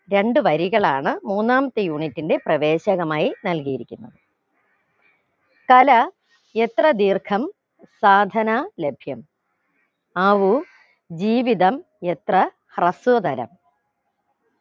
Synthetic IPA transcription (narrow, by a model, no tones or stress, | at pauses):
ɾe̞ɳɖɨʋɐɾiɣɐɭaːɳɨmuːnːaːmɐt̪ːejuːɳitːinde̞prɐʋe̞ːɕɐɣɐmaːjinɐlkijiɾikʲːunːɐðɨ | kɐlɐ | et̪rɐd̪iːrkʰɐm | saːd̪ʱɐnale̞bʱjɐm | ɐʋu | d͡ʑiːʋiðɐm | et̪rɐ | hrɐsud̪ɐɾɐ̰m